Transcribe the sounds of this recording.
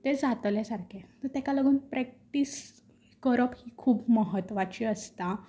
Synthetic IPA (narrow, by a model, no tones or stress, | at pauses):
t̪ed͡zat̪lesaɾkʰet̪əɾt̪ekaləɡuːnpɾɛk̚ʈis | kəɾəphiːkʰuːbməɦət̪ʋat͡ɕiəst̪a